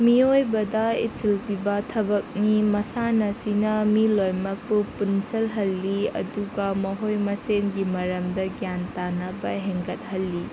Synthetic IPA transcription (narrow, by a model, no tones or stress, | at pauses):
miojbɐdɐitʰilpibɐtʰɐbɐk̚nimɐsanɐsinɐmilojmɐk̚pupunsɐlɦɐlːiɐ̰duɡɐmɐɦojmɐsenɡimɐɾɐmdɐɡjantanɐbɐɦeŋɡɐt̚hɐlːi